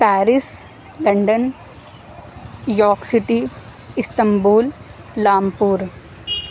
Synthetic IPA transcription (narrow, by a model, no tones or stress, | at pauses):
pɛːɾɪs | lɐ̃ɳɖən | jɔːksɪʈi | ɪst̪ɐ̃mbuːlː | aːmpuːɾ